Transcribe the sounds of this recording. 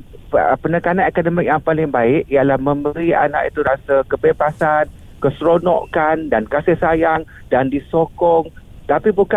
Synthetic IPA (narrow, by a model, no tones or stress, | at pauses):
pənəkananekadəmɪk̚jaŋpalɪŋbaɪʔialahmə̃mbəɾia̰na̰ʔit̪uɾasakəpɛbasan | kəsɾonɔ̰ʔkandankasɪhsajaŋ | dandisokɔŋt̪apibuka